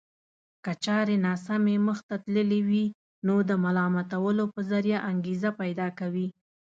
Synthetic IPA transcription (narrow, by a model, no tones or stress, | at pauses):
kət͡ʃɑɾenɑsameməxt̪at̪ləlewi | nod̪əmalɑmat̪awəlopəzaɾjaʔaŋɡezapajd̪ɑkawi